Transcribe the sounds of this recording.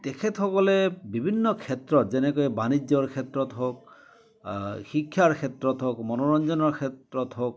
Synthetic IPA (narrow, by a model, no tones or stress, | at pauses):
tekʰetxɔkɔlebibʱinːɔkʰetɹɔtzɛnekɔjɛbanid͡ʒɔɹkʰetɹɔtɦok̚ | xikʰːjaɹkʰetɹɔtɦokmɔnɔɹɔnd͡ʒɔnɔɹkʰetɹɔtɦok̚